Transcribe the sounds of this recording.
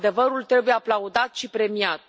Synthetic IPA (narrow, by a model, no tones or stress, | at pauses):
d̪e̞vəɾult̪ɾe̞bujeaplaud̪at̪ʃipɾe̞miat̪